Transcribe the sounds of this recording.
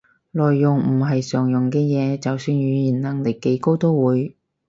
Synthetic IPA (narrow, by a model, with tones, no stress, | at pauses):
lɔː˨jːʊ˨ŋm̩˨˩ɦɐ˨jsœː˨˩ŋjʊ˨˩ŋkɛː˧jɛː˨˧t͡sɐ˨wsyː˧nɥyː˨˧jiː˨˩nnɐ˨˩ŋlɪ˨˩ke˨˥jko˥wt̪o˥wwuː˨˧j